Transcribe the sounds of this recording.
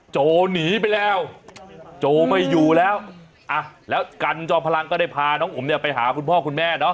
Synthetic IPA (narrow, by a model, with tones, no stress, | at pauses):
t͡ɕoː˧niː˩˦p̬a˧jlɛː˦˥w | t͡ɕoː˧ma˥˩jːuː˨˩lɛː˦˥w | ʔa˧˩lɛː˦˥wka˧nt͡ɕɔː˧˩pʰa˧la˧ŋkɔː˥˩daː˥˩jpʰaː˧nɔː˦˥ŋʔu˩˦mni˥˩ɐpa˧jɦa̰ː˩˦kʰu˧npʰɔː˥˩kʰu˧nmɛː˥˩nɔ˦˥